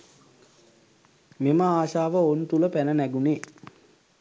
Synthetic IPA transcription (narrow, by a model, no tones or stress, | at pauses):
meməaːʃaːʋəont̪uləpænənæɡune